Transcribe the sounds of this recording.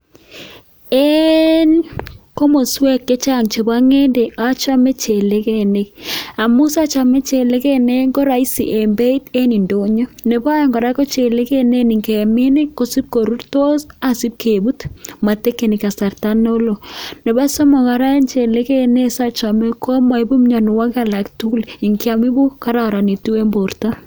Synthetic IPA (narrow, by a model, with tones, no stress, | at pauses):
e˦nko˦mo˨swɛ˦kːe˦t͡ʃa˦˨ŋt͡ʃe˨ba˦ŋe˦nde˨a˦t͡ʃa˦me˦t͡ʃe˨le˦ke˦˨ne˦ka˨mʊ˦sa˦t͡ʃa˨me˦t͡ʃe˨le˦ke˦ne˦ŋɡo˦ɾa˨i˦sḭ˨ʔe˨mbe˦i˦te˦ni˨ndo˨ɲo˦ne˨ba˦jɔ˨ŋɡɔ˨ɾa˦ko˦t͡ʃe˨le˦ke˦ne˦ni˨ŋke˨mi˦ne˦ko˨si˦p̚ko˨ɾu˦rto˦sa˨si˦p̚kʰe˨bu˦tma˨te˦kːe˨ni˨ka˨sa˨rta˦nːo˦lo˨ne˨ba˦sɔ˦mɔ˨ka˨ɾa˦nt͡ʃe˨le˦ke˦ne˦sa˦t͡ʃa˨me˦kʰo˦ma˨i˦bu˦m˦ɲɔ˨n˨wa˦ka˦la˨ktu˦li˨ŋkja˨mi˦bu˦ka˦ɾa˦˨ɾa˨ni˨tu˦e˦mbo˨rta˦